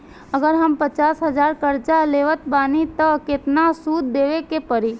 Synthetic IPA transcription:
əɡəɾɦəmpət͡ʃaːsɦəd͡ʒaːɾkəɾt͡ʃaleːʋət̪baːnit̪ɔket̪nasuːd̪ːeːʋekepəɾiː

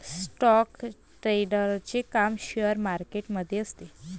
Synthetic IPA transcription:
sʈɔk | ʈɾeɖəɾt͡ɕekamɕeəɾmaɾkeʈməd̪ʱːjeəst̪e

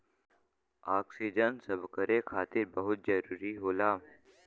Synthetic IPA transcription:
aːksid͡ʒənsɐbkəɾẽkʰaːt̪ɪɾbɐɦʊt̪̚d͡ʒɐɾuːɾiɦoːlaː

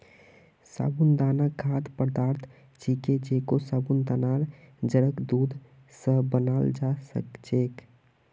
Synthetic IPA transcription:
sa̰ːbund̪aːnakʰaːt̪pəɾd̪aːɾt̪ʰ | t͡ʃiked͡ʒekosabund̪anaɾ | d͡ʒəɾəkd̪uːd̪ʱ | sə̃bənald͡ʒasə̰kt͡ʃek

